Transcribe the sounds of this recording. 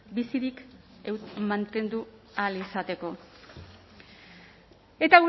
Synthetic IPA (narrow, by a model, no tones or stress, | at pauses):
bisiɾik | emant̪e̞nd̪ualisat̪e̞ko̞ | e̞t̪aɣu